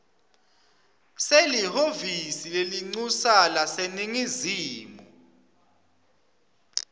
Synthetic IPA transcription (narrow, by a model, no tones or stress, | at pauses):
selihovisileliŋ͡ǀusalaseniŋiziːmɔ